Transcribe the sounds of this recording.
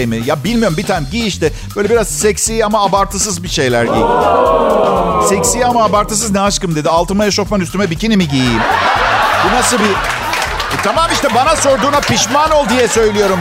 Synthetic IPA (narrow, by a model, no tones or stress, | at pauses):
jmijabilʲmijo̞ɾumbit̪ʰænɟiːiʃt̪ɛb̥øjlʲebiɾazsɛcsiːamaːbaɾt̪ʰɯs̬ɯzbiʃe̞jlʲæɾɟḭːi | sɛcsiːamaːbaɾt̪ʰɯs̬ɯznɛaʃkɯmd̪e̞d̪ialˠt̪ɯmajaʃo̞fmanyst̪ymɛbicinimiɟijiim | bunasɯbi | t̪ʰamaːmiʃt̪ɛbanaso̞ɾd̪uːnapiʃmano̞lˠd̪ijɛsø̞jlʲijo̞ɾum